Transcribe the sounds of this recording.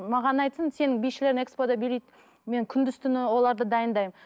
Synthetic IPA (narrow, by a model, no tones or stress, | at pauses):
mɑʁɑnɑjt̪sənse̞nɪŋbijʃɪle̞ɾɪne̞kspod̪ɑbeɾejt̪ | me̞nkʲʰʏnd̪ɪst̪ʰʏnɪwo̞lˠɑɾd̪əd̪ɑjənd̪ɑjm